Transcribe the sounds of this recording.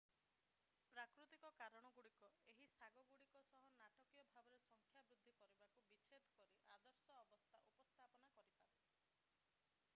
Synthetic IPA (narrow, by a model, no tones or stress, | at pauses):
pɾakɾut̪ikɔkaɾɔɽ̃ɔɡuɽikɔeɦisaɡɔɡuɽikɔsɔɦɔnaʈɔkijɔbʱabɔɾesɔŋkʰjabɾud̪ʱːikɔɾibakubit͡ʃʰed̪ʰʱɔ̥kɔɾiʔad̪ɔɾsɔːbɔst̪ʰaʔupɔst̪ʰapɔnakɔɾipabe